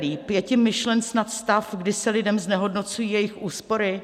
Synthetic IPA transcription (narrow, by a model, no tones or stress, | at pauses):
liːpjɛcɪmːɪʃlɛnt͡snat̪st̪afɡdɪsɛlɪdɛmznɛɦo̞dno̞t͡sujiːjɛjɪxʔuːspo̞ɾɪ